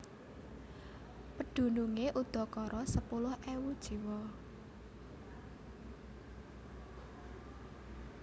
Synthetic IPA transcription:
pəɖ̪̥ṳnuŋeʔud̪̥ɔ̤kɔɾɔsəpulʊhʔɛwud̥ʒ̥i̤wɔ

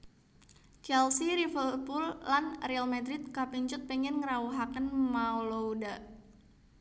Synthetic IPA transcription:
t͡ʃɛlsiɾifərpulːanrɛalmad̪ɾɪt̪̚kapiɲt͡ʃʊt̪̚pɛŋɛnŋəɾauɦakənmaolouda

